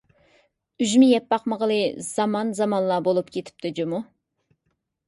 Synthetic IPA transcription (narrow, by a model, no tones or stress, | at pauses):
yʒmɪjɛpːɑqməʁəlˠɨz̥ɑmɑnzɑmɑnlˠɑbolˠupkʲʰet̪ʰɪ̥p̚t̪ʰɪd͡ʒumu